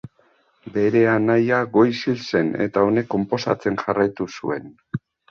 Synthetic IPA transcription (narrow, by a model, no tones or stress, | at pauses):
be̞ɾe̞anajaɡo̞jsilse̞ne̞̰t̪ao̞ne̞kːo̞mpo̞sa̰t͡se̞nʝarajt̪usṵe̞n